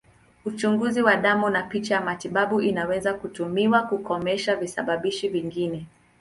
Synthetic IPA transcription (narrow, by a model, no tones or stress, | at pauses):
ut͡ʃuŋɡuziwaɗamunapit͡ʃajamatiɓaɓuʔinawɛzakutumiwakukɔmɛʃavisaɓaɓiʃiviŋɡinɛ